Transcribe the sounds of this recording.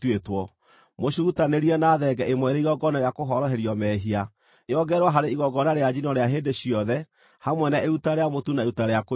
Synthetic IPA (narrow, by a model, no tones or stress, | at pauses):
tetwɔ | moɕuutaneɾiɛnaðɛɡɛʔemwɛɾeiɣɔɡɔnaɾjakoɦɔɾɔɦeɾiɔmɛɦia | eɔɡɛɾwaɦaɾeiɣɔɡɔnaɾead͡ʒinɔɾeaɦeːndeɕiɔðɛ | hamwɛnaeutaɾeamotunaeutaɾeako